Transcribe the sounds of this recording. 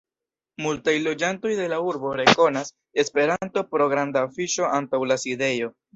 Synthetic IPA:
multajlo̞d͡ʒanto̞jde̞lauɾbo̞ɾe̞ko̞nas | e̞spe̞ɾanto̞pɾo̞ɡɾandaːfiʃo̞antawlaside̞jo̞

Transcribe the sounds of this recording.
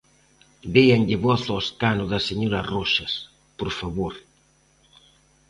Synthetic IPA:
deaŋʎɪβɔθɔskanʊðaseɲoɾarɔʃɐs | poɾfaβoɾ

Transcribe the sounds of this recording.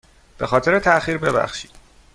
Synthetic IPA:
b̥e̞xɒːt̪ʰe̞ɾe̞t̪ʰæxiːɾbe̞bæ̰xʃi̥ːd̪̥

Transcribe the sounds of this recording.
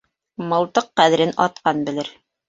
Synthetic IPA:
mɤ̆lˠt̪ɤqːæðɘ̆ɾɘnɑ̰t̪qɑnbɘ̆lɘɾ

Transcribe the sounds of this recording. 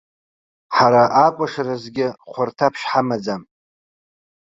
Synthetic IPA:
ħaɾaʔakʷʼaʂarazɡʲɪχʷartʰapʰʂħamad͡zam

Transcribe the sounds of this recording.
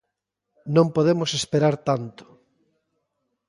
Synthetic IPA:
nõmpoðemosespeɾaɾt̪ant̪ʊ̥

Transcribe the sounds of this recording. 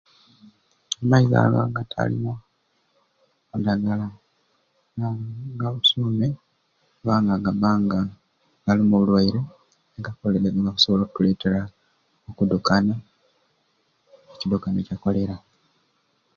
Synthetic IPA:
amaiza̰la̰ŋɡatʰa̰lḭmo | kudaɡala | aɡaβusuːme | βaːŋɡaɡaβaːŋɡa | ɡalimuβulwaiɾe̞ | ɡakolŋɡaku̥so̞βlokutuleːte̞ɾa | okudukana | ecidukanecako̞le̞ɾa

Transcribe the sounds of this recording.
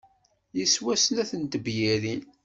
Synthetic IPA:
jiswæsənæθənt̪əbjiɾin

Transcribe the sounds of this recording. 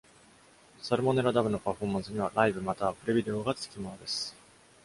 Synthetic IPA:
saɾɯ̟mo̞ne̞ɾad̪abɯ̟no̞paɸo̞ːmãɰ̃sɨɲ̟iβ̞aɾaibɯ̟mat̪aːpɯ̟ɾebʲid̪e̞oɡat͡sɨ̥kʲimo̞no̞d̪e̞sɨ̥

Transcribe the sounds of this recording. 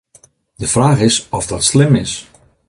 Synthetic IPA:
dəfraːχɪsɔfdɔtslɪmɪs

